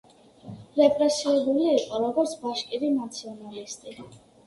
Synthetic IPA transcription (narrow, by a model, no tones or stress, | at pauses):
ɾɛpʼɾɛsiɛbuliːqʼɔɾɔɡɔɾt̪sʰbaʃkʼiɾinat̪sʰiɔnalist̪ʼi